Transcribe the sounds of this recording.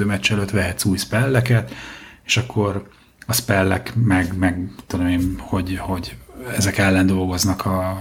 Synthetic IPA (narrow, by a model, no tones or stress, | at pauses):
øːmɛt͡ʃːɛløːt̪ʋɛɦɛt̪suːjspɛlːɛkɛt̪e̥ʃɒkːo̞ɾ | ɒspɛlːɛkmɛɡmɛɡt̪ːud̪omeːnho̞ɟho̞ɟɛzɛkɛlːɛnd̪o̞lɡo̞znɒkʰɒ